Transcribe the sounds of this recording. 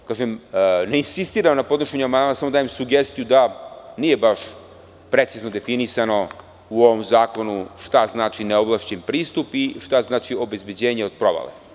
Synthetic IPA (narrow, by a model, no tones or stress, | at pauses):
kaːʒemneinsist̪iːɾamnapo̞d̪noʃeɲuamand̪amasamo̞d̪aːjemsuɡest̪ijud̪anije̞baʃ | pɾe̞t̪siznod̪efinisano̞ | uo̞ʋomzaːko̞nuʃt̪aznaːt͡ʃineoʋlˠaʃt͡ɕempɾiːst̪upiʃt̪aznaːt͡ʃio̞be̞zbe̞d͡ʑeːɲeo̞d̪̚pɾoʋa̰lḛ